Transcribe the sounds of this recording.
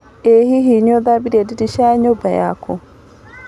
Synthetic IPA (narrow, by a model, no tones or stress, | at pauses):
eɦiɦiɲod̪abiɾedidiʃaɲobaja̰kʰo̰